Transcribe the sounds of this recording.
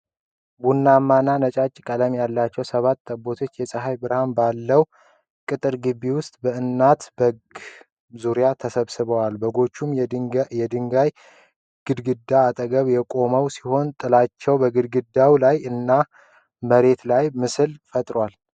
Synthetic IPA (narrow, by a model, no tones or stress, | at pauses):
bunːamːananət͡ʃʼat͡ʃʼːkʼələmjalːat͡ʃːɛwsəβat̪ːəbːo̞t̪ʰo̞t͡ʃːjɛsʼəɦajbɨɾhanbalːəw | kʼɨt̪ʼɨɾɡɨβːiwʊst̪ʼbəɨnːat̪bəɡ | zuɾijat̪ʰəsəβsɨβəwalbəɡo̞t͡ʃːumjɛd̪ɨŋɡaj | ɡ̥ɨd̪ɡɨd̪ːaːt̪ʼəɡəβjɛkʼo̞məwsi̥ho̞nt̪ʼɨlat͡ʃːɛwbəɡɨd̪̚ɡɨd̪awlajɨnːa | məɾe̞t̪lajmɨsɨlfət̪ʼɾwal